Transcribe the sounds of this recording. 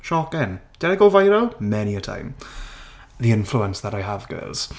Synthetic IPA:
ʃɔkɪnd̥ɛnɪɡolvajɾomɛniətʰã̰ɪ̃m | ðiɪ̃ɱfluə̃nsðəɾaɪəvɡɜ̰ːlˠz̥

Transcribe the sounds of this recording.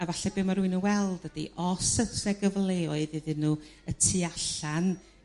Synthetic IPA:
avaɬɛbeːmaɾuɨnuwɛlˠdəd̥ḭʔɔsəɛɡəvlˠeɔɨðɪðɪnuətʰiaɬan

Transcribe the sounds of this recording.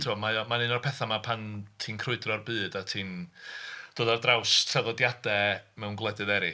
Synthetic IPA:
tʰɪɔmajɔmanɨnɔrpʰɛθamapʰantʰiːnkʰrʊɨdrɔrbɨːdatʰiːn | d̥oːðɔrdrawstʰraðɔdjadɛmɛwnɡlˠɛdɨðɛɾɪ

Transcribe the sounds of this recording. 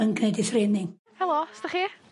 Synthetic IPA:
ənkʰnedɪθreːnɪŋ | hɛlˠostəχiː

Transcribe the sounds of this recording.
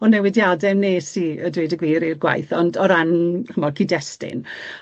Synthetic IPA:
ɔnɛwɪdjadɛmneːsiədwedəɡwiːɾirɡwa̰jθɔndɔɾanhʰəmɔkʰidɛstɪ̰n

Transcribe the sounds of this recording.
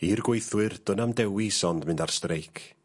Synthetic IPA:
irɡwejθwɨrd̥ɔnamdɛwisɔndmɨndar̥strejkʰ

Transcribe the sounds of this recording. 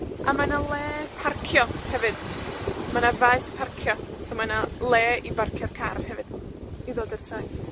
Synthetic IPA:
a̰manalˠɛːpʰarkʰjɔhɛvɨd̥manavajspʰarkʰjɔsɔmanalˠɛːivarkʰjɔrkʰarhɛvɨd̥ | iðoːdərtʰaj

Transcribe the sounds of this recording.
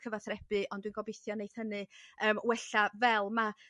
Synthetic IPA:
kʰəvaθrɛb̥ɨʔɔnd̥winɡ̥ɔbɪθjɔnejθhənɨəːmwɛɬavɛlˠma

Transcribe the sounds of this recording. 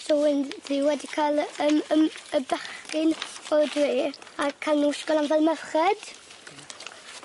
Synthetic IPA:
sɔənðɪwɛdikʰalˠəməməbɛχkɨnɔdwiːakʰanuɪʃkɔnanvɛlˠməvχɛd̥

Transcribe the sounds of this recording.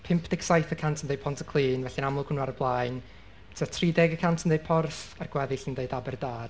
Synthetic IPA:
pʰɪmpʰd̥ɪksajθəkʰantʰəndejd̚pʰɔntʰə̥kʰlˠiːnvɛɬinamlʊkʰʊnwaɾəblˠaɨn | tʰətʰridɛɡəkʰantʰəndeɨd̚pʰɔrθarɡ̥wɛðɪɬəndeɨdabɛrdaːr̥

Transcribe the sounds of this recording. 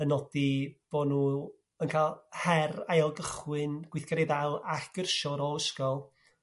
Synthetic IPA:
ənɔd̥ib̥onuː | ənkʰaːlˠhɛrajɔlˠɡəχwɨnɡ̥wɪθɡ̥aɾiðalˠaɡ̥ərʃɔɾɔəʃkɔlˠ

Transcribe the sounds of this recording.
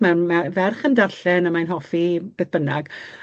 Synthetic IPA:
mɛmavɛrχəndarɬɛnəmajnɦɔfib̥eːθb̥ənaɡ

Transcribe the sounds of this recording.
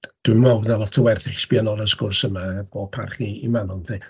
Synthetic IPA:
d̥ɨmɔvnalˠɔtʰəwɛrθɪχsb̥ianɔɾəskʊrsəmab̥oːd̚pʰa̰rχiːmanɔnði

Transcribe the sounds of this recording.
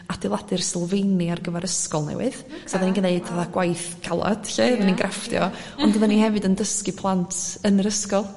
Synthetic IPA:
ad̥ɪlˠadɨrsɪlˠvejniarɡəvaɾəskɔlˠnɛ̰wɨ̰ðsɔðaninɡəneɨdaðaɡ̥wajθɡʰalˠa̰d̥ɬɛðaninɡrʔaftjɔ̰ | ɔndəðanihɛvɨdəndəskɨpʰlˠantʰənəɾəskɔlˠ

